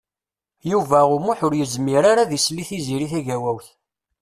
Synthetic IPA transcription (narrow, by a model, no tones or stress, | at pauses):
juvæʊmuħʊɾjəzmiɾaɾaðisliθiziɾiθæʝæwæwθ